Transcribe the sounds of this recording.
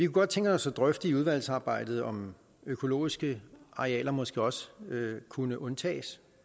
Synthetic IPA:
ʋikʰuɡ̥ɒ̽d̥̚t͡sʰeŋɡ̥əɒ̽sːɒd̥ʁœfd̥iuð̞ˠʋæl̰sɑ̈ːb̥ɑ̈ɪ̰d̥ð̞̩ˠɒ̽m | økʰo̝lo̝̰ːisɡ̥əɑ̈eɛ̰ːlɐmɒ̽sɡ̥e̝ɒ̽səkʰunəʔɔ̽nt͡sʰɛ̰ːs

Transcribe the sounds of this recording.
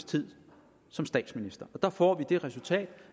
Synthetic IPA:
st͡sʰið̰ˠ | sɒ̽msd̥ɛ̰ːd̥sminisd̥ɐʔɒ̽d̥ɑ̈fɒ̰ːʋid̥e̝ʁɛsult͡sʰɛ̰ːd̥

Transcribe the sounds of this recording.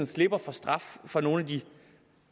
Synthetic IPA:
n̩sle̝b̥ɐfɒ̽sd̥ʁɑffɒ̽no̝ːn̩æd̥i

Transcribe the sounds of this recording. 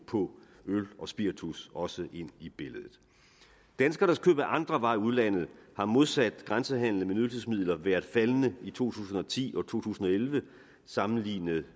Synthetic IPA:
pʰɒ̽ | ølɒ̽sb̥iɐt͡sʰusɒ̽səʔe̝n̰ib̥e̝ləð̞ˠð̩ˠ | d̥ænsɡ̥ɐɾ̥ɑ̈skʰø̰ːb̥æʔɑ̈nd̥ʁɐʋɑ̈ɪ̰uð̞ˠlæn̰ð̞̩ˠhɑ̈mo̝ðˠsæd̥ɡ̥ʁansəɦæn̰l̩menyðlses̬mið̰ˠlɐʋæːɐðˠfælənəit͡sʰo̝̰ːt͡sʰṵːsn̩ɒ̽t͡sʰḭːʔɒ̽t͡sʰo̝̰ːt͡sʰṵːsn̩ɒ̽elʋə | sɑ̈mn̩lḭːnəð̩ˠ

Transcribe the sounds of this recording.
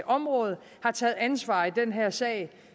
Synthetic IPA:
ʔɒ̽mʁɔ̽ːð̞̩ˠ | hɑ̈t͡sʰɛːð̩ˠænsʋɑ̰̈ːid̥enɦeɐ̰sɛ̰ːɪ

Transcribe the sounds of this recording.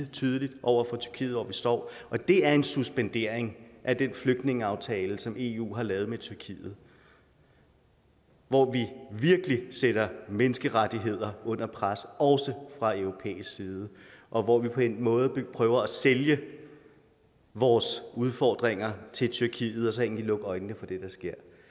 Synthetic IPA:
t͡sʰyːð̞ˠəlid̥ʔɒʊ̰ɐfɑ̈t͡sʰy̥ɐkʰḭːð̩ˠʋɒʋisd̥ɒ̰ːʔɒ̽d̥e̝æɐe̝nsusb̥end̥e̝ɐ̰eŋʔæd̥enfløɡ̥̚d̥ne̝ŋəɑ̈ʊt͡sʰɛːləsɒ̽me̝ṵːɦɑ̈lɛːʊð̞̩ˠmet͡sʰyɐkʰḭːð̞̩ˠ | ʋɒʋiʋiɐɡ̥əliseɾ̥ɐmenəsɡ̥əʁad̥iɦe̝ð̞̰ˠɐɔ̽n̰ɐpʰʁasɒ̽ʊsəfʁɑ̈øʊʁo̝pʰḛːisɡ̥siːð̞ˠəʔɒ̽ʋɒʋipʰɒ̽enmɔ̽ːð̞̩̥ˠpʰʁœːʊɐæseljə | ʋɒːsuð̞ˠfɒ̰ːd̥ʁeŋ̰ɐt͡sʰe̝lt͡sʰyɐkʰḭːð̞̩ˠɒ̽sɒeŋndlilɔ̽ɡ̥ɒ̽ɪnːəfɒ̽d̥e̝d̥ɑ̈sɡ̥e̝ɐ̰

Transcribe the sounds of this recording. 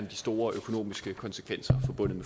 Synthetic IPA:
nd̥isd̥o̝ːɐʔøkʰo̝no̝̰ːmisɡ̥əkʰɒ̽nsə̥kʰʋen̰sɐfɒ̽b̥ɔ̽n̰ð̩ˠme

